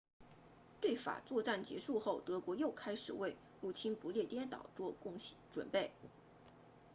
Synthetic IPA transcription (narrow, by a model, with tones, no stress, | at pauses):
t̪we˥˩ɪfa̰˨˩t͡swɔ˥˧ʈ͡ʂa˥˩nt͡ɕjɛ̰˧˥ʂu˥˧xo˥˩ʊt̪ɤ˧˥kwɔ˧˥jo˥˩ʊkʰa˥ɪʂɻ̩˨˩we˥˧ɪ | lu˥˩t͡ɕʰi˥npu˧˥ljɛ˥˧t̪jɛ˥nt̪ɑ̰˨˩ʊʈ͡ʂwɔ˥˧kʊ˥˧ŋʈ͡ʂwə̰˨˩npe˥˩ɪ